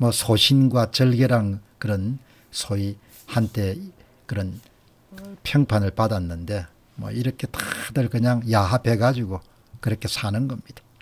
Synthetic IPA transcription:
mʌsʰoɕʰinɡwat͡ɕʌɭɡe̞ɾaŋkɯɾʌn | sʰoi | hantʰe̞ | kɯɾʌn | pʰjʌŋpʰanɯɭpadanːɯnde̞ | mwʌ̰iɾʌkʰe̞t͈adɯɭkɯɲaŋjaɦapʰe̞ɡad͡ʑuɡo | kɯɾʌkʰe̞sʰanɯnɡʌmɲid̥ḁ

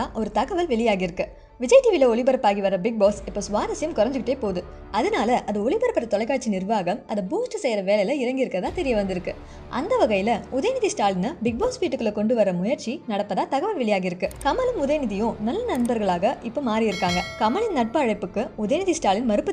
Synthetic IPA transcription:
aʔɔɾɯt̪ɐɣɐʋɐlʋɛɭɪjaːɣɪɾɯkːɯ | ʋɪd͡ʒɐɪʈːiːʋɪlɐɔɭɪbɐɾɐpːaːɣiʋɐrːɐbɪɡ̚boːsɪpːoːsʊʋaːɾɐsɪjɐmkɔɾɐɲd͡ʒɯkɪʈːeːpoːðɯ | ɐðɯnaːlɐʔɐðɐɔɭɪbɐɾɐpːɐɾɐt̪ɔlɐɪkːaːʈt͡ʃːinɪrʋaːɣɐmɐðɐbuːsʈɯsɛjɾɐʋeːlɐjlɐɪɾɐŋɡɪɾɯkːɐðaːt̪ɛɾɪjɐʋɐnd̪ɪɾɯkːɯ | ʔɐ̰nd̪ɐʋɐɣɐjɪlɐʊðɐjnɪðisʈaːɭɪnɐbɪɡ̚boːsʋiːʈːɯkːɯɭlɐkɔɳɖɯʋɐrːɐmʊjɐɾt͡ʃinɐɽɐpːɐðaːt̪ɐɣɐʋɐlʋɛɭɪjaːɣɪɾɯkːɯkɐmɐlɪnʊðɐjnɪðɪjʊ̃nɐlːɐnɐɳbɐɾɣɐɭaːɣɐʔɪpːoːmaːɾɪjɪɾɯkːaːŋɡɐkɐmɐɭɪnnɐʈ̚pɐːɻɐɪpːɯkːɯʊðɐjnɪðisʈaːɭɪnmɐɾɯpːɯ

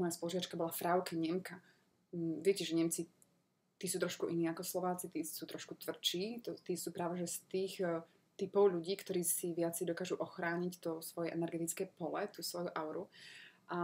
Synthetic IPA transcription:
mɔjaspɔluʒiʋat͡ʃkabɔlafɾaʊkɛɲɛmka | ʋɪɛcɛʒɛɲɛmt͡si | t̪iːsuːt̪ɾɔʃkuʔiniːakɔslɔʋaːt͡sit̪iːsuːt̪ɾɔʃkut̪ʋr̩t͡ʃiːt̪ɔt̪iːsuːpɾaːʋɛʒɛst̪iːx | t̪ipɔʊʎuɟiːkt̪ɔɾiːsiʋɪat͡sɛjd̪ɔkaːʒuʔɔxɾaːɲict̪ɔsʋɔjɛʔɛnɛɾɡɛt̪it͡skɛːpɔlɛt̪uːsʋɔjuʔaʊɾuʔa

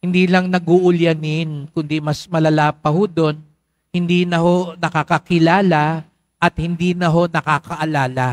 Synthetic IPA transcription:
hɪnd̪iːlɐŋnɐɡʊʔʊljɐnɪnkʊnd̪imɐsmɐlɐlaːpɐhod̪o̞n | hɪnd̪iːnɐho̞nɐkakɐkɪlaːla | ʔɐt̪̚hɪnd̪iːnɐɦo̞nɐkaːkɐʔɐlaːla

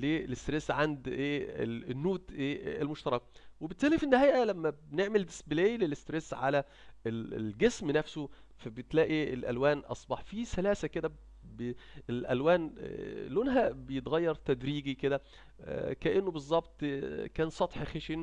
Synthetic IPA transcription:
lelest̪ɾesʕand̪ʔeːḛnːuːt̪ʔeːelmoʃt̪ɑɾˤɑk̚webet̪ʔæːlːifind̪hæjʔælæmːæbneʕmeld̪e̥sbelejlelest̪ɾesʕalæ | ḛlɡesmnæfso | fæbeet̪læːʔielʔæ̰lwæːnʔɑ̰sˤbɑħfisælæːsæked̪æ | beelʔælwæːnlonɦæbejet̪ɣæjːɑɾˤt̪æd̪ɾiːɡiked̪æ̰ | kæʔenːobezˤːɑbt̪ˤkæːnsˤɑt̪ˤħxeʃin

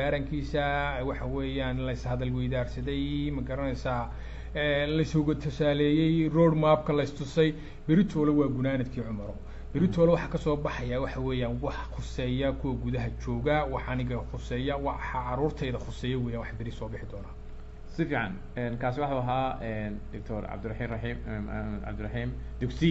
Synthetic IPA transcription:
aːɾɐŋkʰiːsɐwɑħɑwɛːjaːnlɐɪshɐðɐlwɛjðaːrsɐðɛjmɐɡɐɾɐnɛsaː | ɛːlɐɪshʊɣɐt̪ʰʊsaːlɛːjɛjrɔɽmaːb̚kʰɐlɐɪst̪ʰʊsɛj | bɪɾɪt̪ʰɔːlɛwɑːɡʊnaːnɐd̪kʰiːʕʊmɐɾɔ | bɪɾɪt̪ʰɔːlɛwɑħɑːkʰɐsɔːbɑħɑjawɑħɑwɛːjaːnwɑħχʊsɛːjɐkʰʊwɐɡuðɐɦɐt͡ʃɔːɣɐwɑħɑnɪɣɐχʊsɛːjɐwɑħɑʕɑɾuːrt̪ʰɛjðɐχʊsɛːjɐwɛːjaːnwɑħbɪɾɪsɔːbɪħɪd̪ɔːnaː | sɪfiːʕɑ̰n | ɛːnkʰaːsɪwɑħɑuɐɦaːɛndɪk̚t̪ʰɔɾʕɑ̰bd̪ʊ | ɑ̰bd̪ʊɾɐħiːmd̪ʊksi

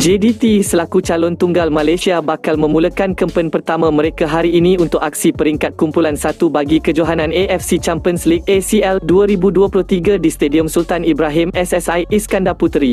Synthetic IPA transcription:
d͡ʒedit̪isəlakut͡ʃalʊnt̪uŋɡalmãlajsiabakalmə̃mũləkankəmpənpərt̪amãmə̃ɾekaɦaɾiːnĩunt̪ʊkak̚sipəɾiŋkat̪̚kumpulansat̪ubaɡikəd͡ʒoɦanãneʔɛfsit͡ʃampiənsliɡ̚esiɛlduaɾibuduapulʊht̪iɡadist̪ediɔmsult̪anibɾaɦɪmɛsɛsajiskandaput̪ɾi

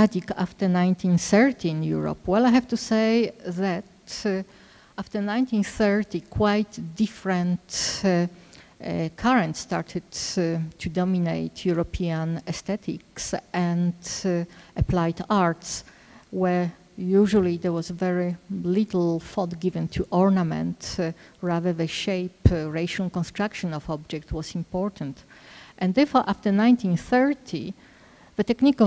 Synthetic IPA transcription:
mad͡ʒika̰ft̪əɹnãj̃nt̪ʰĩnθɛɹt̪ʰĩnjṵɹɔ̰pwɛlajɦɛvt̪usejðæt | aft̪ə˞nãj̃nt̪ĩnθɛɹt̪ikʰwajt̪difɹɛ̃nt | kʰaɹɛ̃ntst̪aɹt̪ʰɨdtʰːud̪ɔmineɪt̪ʰjuɹɔpʰiãnɛst̪ɛt̪ʰiksʔɛ̃nd | ʔaplajd̪aɹt̪s | wɛɹ | juʒulid̪ɛɹwɔzvɛɹilit̪l̩ˠfɔt̪ɡivɛ̃nt̪ʰuʔɔɹnamɛ̰̃nt̪ɹaðə˞ðəʃejpɹeɪʃãlkɔ̃nst̪ɹakʃɔ̃nɔfɔb̚d͡ʒɛk̚t̪wɔsĩmpɔɹt̪ʰãnt̪ | ʔɛ̃nd̪ɛɹfɔɹʔaft̪ə˞nãj̃nt̪ĩnθɛɹt̪ʰi | ð̥ət̪ɛknikɔ

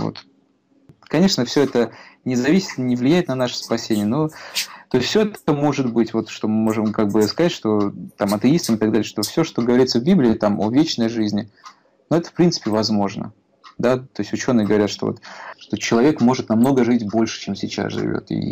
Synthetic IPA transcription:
vo̰t̪ | kɐnʲe̞ʂnəfsʲoɛt̪ənʲɪzɐvʲisʲɪ̥t̪nʲɪvlʲɪjæjɪt̪nɐnaʂə̥spɐsʲenʲɪjəno̞t̪o̞jɪsʲtfsʲøɛt̪əmo̞ʐɨt̪bɨtʲvo̞t̪ʂt̪o̞mɨmo̞ʐɨmkaɡ̚bɨskɐzatʲʂt̪o̞t̪amɐt̪ɨist̪əmɨt̪ɐɡ̚d̪alʲɪəʂt̪o̞fsʲo̞ʂt̪o̞ɡəvɐɾʲit̪səvbʲiblʲɪɪt̪amovʲet͡ɕnəjʐɨzʲnʲɪ | noɛt̪ə̥fpɾʲint̪sɨ̥pʲɪvɐzmo̞ʐnə̰ | d̪at̪o̞ɪsʲtʲʊt͡ɕo̞nːɨjəɡəvɐɾʲat̪ʂt̪o̞̰vot̪ʂt̪o̞t͡ɕɪlˠɐvʲe̞kmo̞ʐɨt̪nɐmno̞ɡəʐɨtʲbo̞lʲʂɨ̥t͡ɕemsʲɪt͡ɕa̰sʐɨ̰vʲo̰t̪ḭ

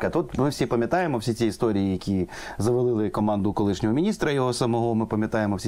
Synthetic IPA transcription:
kɐt̪ut̪mɪwsʲipɐmʲjɐt̪ɑjemɔwsʲit͡sʲiist̪ɔɾʲijijɐkʲi | zɐʋɐlˠɪlˠɪkɔmɑnd̪ʊkɔlˠɪʃnʲɔɦɔmʲinʲist̪ɾɐjɔɦɔsɐmɔɦɔmɪpɐmʲjɐt̪ɑjemɔwsʲi

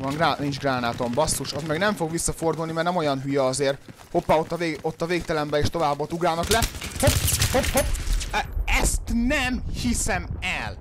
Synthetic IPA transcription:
vɒŋɡranind͡ʒɡraːnaːt̪ombɒsːuʃɒzmɛɡnɛɱfo̞ɡʋisːɒfo̞rd̪ulnimɛrnɛmo̞jɒnɦyjɛɒzeːr | ho̞pːɒot̪ːɒveot̪ːɒveːk̚t̪ɛlɛmbɛeːʃt̪o̞vaːbːot̪uɡraːlnɒklɛhophophop | ɛst̪nɛmhisɛmɛl

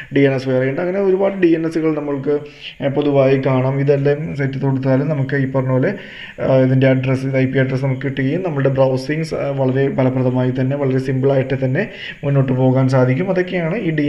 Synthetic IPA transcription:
ɖijenːɐsʋeːrɐjeɳɖɨɐŋːɐne̞o̞ɾubaːɽɨɖijenːesːuɣɐɭnɐmːɐɭkɨ | po̞ðuʋaːjikaːɳaːmiðɐlːesetːɐt̪ːoɽut̪ːaːlumnɐmukːɨipːɐrɐɲːɐoːle | iðinde̞ɐɖresɐjpːijɐɖrɐsnɐmukːʋiʈːuɣɐjumnɐmːɐɭɨɽe̞brɐwsiŋɡsʋɐɭɐɾe̞pɐlɐpːrɐðɐmaːjit̪ɐnːe̞ʋɐɭɐɾe̞simbɨɭaːjiʈːet̪ɐnːe̞ | munːo̞ːʈːɨpo̞ːɣaːns̬aːd̪ʱikʲːumɐðo̞kːejaːɳɨiːɖi

